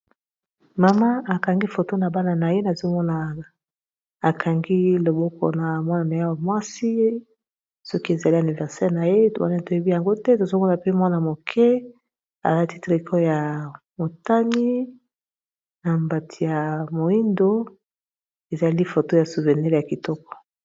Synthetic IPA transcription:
ma˨ma˦a˨ka˨ŋɡi˦fo˨to˦na˨ba˦na˨na˨je˦na˨zo˦mɔ˦na˨ | a˨kʰa˨ŋɡi˦lo˨bɔ˦kʰɔ̰˨na˨mwa˦na˨na˨ja˦wa˨mwa˦si˦ | sɔ˦ki˦e˨za˨li˦a˨ni˨vɛ˨ʁsɛ˦ʁna˨je˦wa̰˦na˨to˨je˦bi˦ja˨ŋɡo˦tɛ˦to˨zo˦mɔ˦na˨pe˦mwa˦na˨mo˨kʰɛ˦ | a̰˨la˦ti˦tʁi˨kʰɔ˦ja˨ | mo˨ta˦ni˦ | na˨mba˨tʰi˨ja˨mo˨i˦ndo˦ | e˨za˨li˦fo˨to˦ja˨su˨vɛ˨nɛ˦ʁja˨ki˨tɔ˦kɔ̥˨

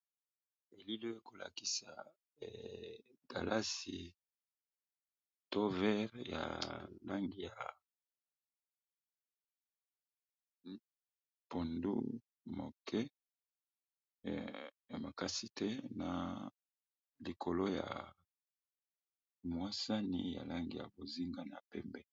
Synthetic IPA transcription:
e˨li˦lo˦e˦ko˨la̰˨ki˨sa˨ | ɡ̥a˨la˦si˨ | to˦vɛ˦ʁja̰˨la˦ŋɡi˨ja˨ | po˨ndṵ˦ | mo˨kʰɛ˦˨ | ma˨ka˦si˦tɛ˦na˨ | li˨kʰo˨lo˦ja̰˨ | mwa˦sa˦ni˦ja̰˨la˦ŋɡi˨ja̰˨bo˨zi˦ŋɡa˦na˨pɛ˦mbɛ˦

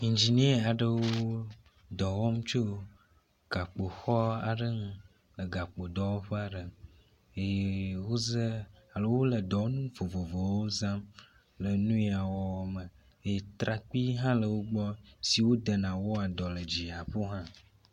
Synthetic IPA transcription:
ĩ˨ɲd͡ʒi˨nĩ˦e˦a˨ɖə˦wo˦ | d̪ɔ˨wɔ˦m̩̃˦t͡ʃo˦ | ɡ̥a˨k͡po˨xɔ˦a˨ɖə˦ŋũ˦ | lə˨ɡa˨k͡po˨d̪ɔ˨wo˦ɸa˨ɖə˨ | e˦je˦wo˦zə˦a˨lə˦wo˦lə˨d̪ɔ˨˦nũ˦vo˨vo˨vo˨wo˦zã˦m | lə˨nũ˦i˦a˨wɔ˦wɔ˦mə˨ | e˦je˦t̪ɾa˨k͡pi˦ɦã˦lə˨wo˦ɡ͡bɔ˦si˨wo˦d̪ə˨nã˨wo˦a˨d̪ɔ˨lə˨d͡ʑi˨a˨ɸo˦ɦã˦

